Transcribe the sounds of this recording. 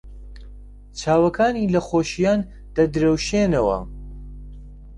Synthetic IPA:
t͡ʃʰaːwɐkʰaːniːlɐxoːʃijaːn | d̪̥ɐd̪ɨɾɐwʃeːnɐwɐ̰

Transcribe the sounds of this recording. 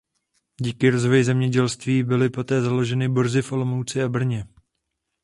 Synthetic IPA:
ɟiːkɪɾo̞zvojzɛmɲɛɟɛlst̪viːbɪlɪpo̞t̪ɛːzalo̞ʒɛnɪboɾzɪfʔo̞lo̞mowt͡sɪabr̩ɲɛ

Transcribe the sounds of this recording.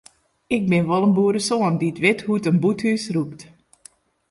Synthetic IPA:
ɪk̚bɪnʋɔlˠənbuːəɾəsoəndiətʋɪtɦutənbuthysrupt

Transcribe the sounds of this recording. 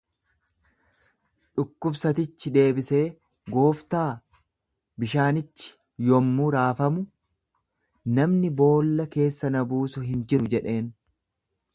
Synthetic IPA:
ᶑʊkːʊbsɐt̪ɪt͡ʃːɪd̪e̞ːbɪse̞ː | ɡo̞ːft̪aː | bɪʃaːnɪt͡ʃːɪ̥ | jɔmːuːɾaːfɐmʊ | nɐmnɪbo̞ːlːɐke̞ːsːɐnɐbuːsʊɦɪnd͡ʒɪɾʊd͡ʒɛᶑe̞ːn

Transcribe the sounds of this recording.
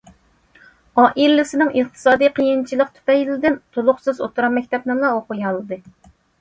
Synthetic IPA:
ɑːʔiɾlɪsɪnɪŋʔəqt̪ʰɨ̥sɑːd̪ijqʰijint͡ʃʰilˠəqt̪ʰy̥pɛjlɪd̪ɪnt̪ʰolˠʊχsɨzo̰t̪ʰuɾɑmmɛkʲt̪ʰɛpnɨŋlˠɑoqʊjɑlˠɨd̪ɨ

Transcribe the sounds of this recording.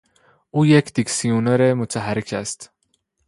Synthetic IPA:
ʔuːjecʰd̪iksijuneɾemot̪ʰæɦæɾecʰæst̪

